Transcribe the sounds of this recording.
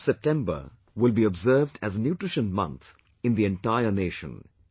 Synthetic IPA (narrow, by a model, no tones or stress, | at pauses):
sɛp̚ʈɛ̃mbə̰ | wɪlbiɔbzɜːvdæznjuːʈɹɪʃə̃nmʌ̰̃nt̪ | ɪ̃nd̪iɛ̃nʈaɪəneːʃə̰̃n